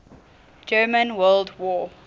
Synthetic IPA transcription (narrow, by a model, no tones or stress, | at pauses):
d͡ʒɜːmə̃nwɜːldwɔː